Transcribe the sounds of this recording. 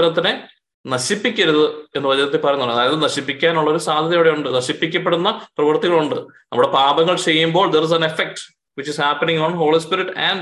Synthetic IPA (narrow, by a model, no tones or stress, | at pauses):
ɾɐt̪ːine | nɐɕipːikʲːiɾuðɨe̞nːɨʋɐd͡ʑɐnɐt̪ːepɐrɐjɲnːuɐːɐðaːjɐðɨnɐɕipːikʲːaːnuɭːɐo̞ɾusaːd̪ʱɐðɐjoːɽejuɳɖɨnɐɕipːikʲːɐpːeɽunːɐprɐʋɐrt̪ːiɣɐɭuɳɖɨnɐmːuɽe̞paːbɐŋːɐɭt͡ɕe̞jːumbo̞ːɭd̪eris̬ɐnefek̚ʈ | ʋit͡ɕːishæːpɐniŋonɦo̞ːɭispiɾiʈːæɳɖ